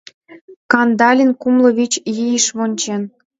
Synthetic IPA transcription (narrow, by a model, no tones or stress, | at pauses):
kɑnd̪ɑlʲinkumlɤ̆βit͡ɕjijəʃβonʲt͡ɕen